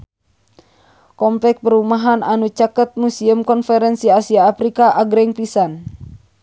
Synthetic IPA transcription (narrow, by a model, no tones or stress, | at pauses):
kɔmplɛk̚pəɾumaɦananut͡ʃakət̪̚musiəmkɔnfɛɾɛnsiasiaːfɾikaʔaɡɾɛŋpisan